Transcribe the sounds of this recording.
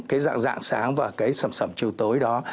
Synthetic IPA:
kaː˨˦jza̰ː˧˨ŋza̰ː˧˨ŋsaː˨˦ŋvaː˨˩kaː˨˦jsə˧˩msə˧˩mt͡ɕi˧wt̪o˨˦jɗɔ˨˦

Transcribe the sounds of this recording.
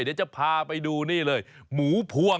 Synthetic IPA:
ni˦˥t͡ɕa˨˩pʰaː˧pa˧jduː˧niː˥˩lɤː˧jmuː˩˦pʰu˧ə

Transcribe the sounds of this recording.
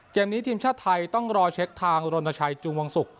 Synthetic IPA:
keː˧mniː˦˥t̪ʰiː˧mt͡ɕʰaː˥˩t̪ʰːa˧jt̪ɔ˥˩ŋɾɔː˧t͡ɕʰe˦˥k̚t̪ʰaː˧ŋɾo˧na˧t͡ɕʰa˧jt͡ɕu˧ŋwa˧ŋsu˨˩k̚

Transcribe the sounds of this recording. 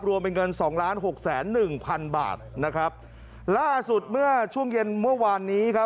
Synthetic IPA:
p̚ɾu˧mpe˧nŋɤ˧nsɔː˩˦ŋlaː˦˥nɦo˨˩k̚sɛː˩˦nːɯ˨˩ŋpʰa˧nba̰ː˨˩t̪̚na˦˥kʰɾa˦˥p̚ | laː˥˩su˨˩t̪̚mɯ˥˩ɐt͡ɕʰu˥˩əŋje˧nmɯ˥˩ɐwaː˧nːiː˦˥kʰa˦˥

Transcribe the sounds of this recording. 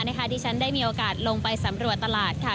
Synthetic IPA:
na˥˩kʰa˦˥˩t̪iː˥˩t͡ɕʰa˦˥ndaː˥˩jmiː˧ʔoː˧kaː˨˩t̪̚lo˧ŋpa˧jsa˩˦mɾu˨˩ət̪ːa˧laː˨˩t̪̚kʰaː˨˩

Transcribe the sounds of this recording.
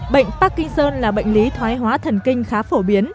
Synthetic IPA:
ɓə̰˧˨jŋ̟paː˦˥kːï˧ŋsəː˧nlaː˨˩ɓə̰˧˨jŋ̟li˨˦t̪ʰwaː˨˦jɦwaː˨˦t̪ʰə˨˩nkï˧ŋ̟xaː˨˦fo˧˩ɓi˨˦ən

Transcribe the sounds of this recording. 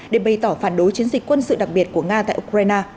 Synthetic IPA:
ɗe˧˩ɓa˨˩jt̪ɔː˧˩faː˧˩nɗo˨˦jt͡ɕi˨˦ənzi˨˩k̟kwə˧nsɨ̰˧˨ɗa˨˩k̚ɓi˨˩ət̚ku˧˩əŋaː˧t̪a̰ː˧˨ʔu˧kɾaː˧jnaː˧

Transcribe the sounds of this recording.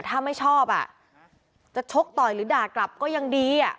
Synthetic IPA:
t̪ʰaː˥˩ma˥˩jt͡ɕʰɔː˥˩p̚ʔa̰˨˩ | t͡ɕa˨˩t͡ɕʰo˦˥k̚t̪ɔː˨˩jɾɯː˩˦daː˨˩kla˨˩p̚kɔː˥˩ja˧ŋdiː˧a˨˩

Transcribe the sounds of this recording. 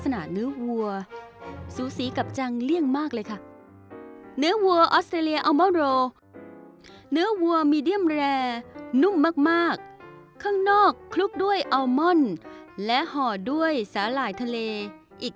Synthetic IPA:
sa˧naː˨˩nɯː˦˥ɐwu˧ɐ | suː˨˩˦siː˨˩˦ka˨˩p̚t͡ɕa˧ŋli˥˩əŋmaː˥˩k̚lɤː˧jkʰa˥˩ | nɯ˦˥ɐwu˧ɐʔɔː˦˥st̪ɾeː˧li˧əʔa˧mɔ˥˩nɾoː˧ | nɯ˦˥ɐwu˧ɐəmiː˧di˥˩əmɾɛː˧nu˥˩mːaː˥˩k̚maː˥˩k̚ʰː | aː˥˩ŋnɔː˥˩kʰːlu˦˥k̚du˥˩əjʔa˧wmɔ˥˩nlɛ˦˥ʔhɔː˨˩du˥˩əjsaː˩˦laː˨˩jt̪ʰa˧leː˧ | ʔiː˨˩k̚

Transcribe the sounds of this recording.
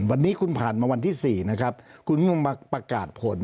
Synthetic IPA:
wa˧nːiː˦˥kʰu˧npʰaː˨˩nmaː˧wa˧nt̪ʰiː˥˩siː˨˩na˦˥kʰa˦˥p̚kʰu˧ni˥o˧ma˧pɾa˧kaː˨˩t̪̚pʰo˨˩˦n

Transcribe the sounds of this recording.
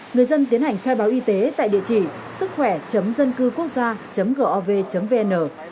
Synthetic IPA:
ŋɨ˨˩əjzə˧nt̪̬i˨˦ənha˨˩jŋ̟xaː˧jɓaː˨˦wʔi˧t̪e˨˦t̪a̰ː˧˨jɗḭ˧˨ət͡ɕḭ˧˩˨ | sɨ˦˥k̚xwɛ˧˩t͡ɕə˨˦mzə˧nkɨ˧ku˦˥ək̚zaː˧t͡ɕə˨˦mɣəː˧˩ʔɔ˧ve˧t͡ɕə˨˦mve˧ʔɛ˧nːʔəː˧˩

